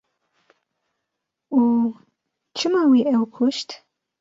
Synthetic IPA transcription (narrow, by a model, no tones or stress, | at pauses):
u | t͡ʃʰɨmawiʔɛwkʰuʃtʰ